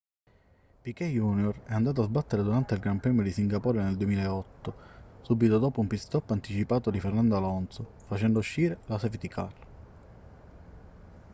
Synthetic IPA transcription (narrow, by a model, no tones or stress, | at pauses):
pikɛjunjorɛand̪aːt̪oazbat̪ːeɾed̪uɾant̪eilɡɾampɾɛːmjod̪isiŋɡapɔːɾeneld̪uemiːlaeɔt̪ːosubit̪od̪oːpoumpist̪ɔpːant̪it͡ʃipaːt̪od̪ifernand̪oalɔnso | fat͡ʃɛnd̪ouʃːiːɾelasɛvit̪ikʰar